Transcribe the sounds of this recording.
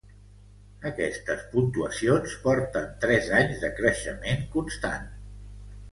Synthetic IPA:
əkɛst̪əspunt̪uəsionspɔɾt̪ənt̪ɾɛzaɲzðəkɾəʃəmeŋkunst̪a̰n

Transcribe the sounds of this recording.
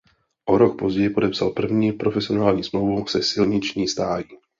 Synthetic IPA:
ʔoɾok̚pozɟɛjɪpo̞dɛpsalpr̩vɲiːpɾo̞fɛsɪo̞naːlɲiːsmlowvusɛsɪlɲɪt͡ʃɲiːst̪aːjiː

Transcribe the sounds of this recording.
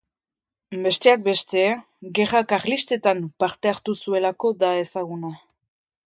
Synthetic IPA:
be̞st̪e̞ak̚be̞st̪e̞ | ɡe̞rakaɾlist̪e̞t̪ampaɾt̪e̞aɾt̪usue̞lako̞d̪ae̞saɣ̞una

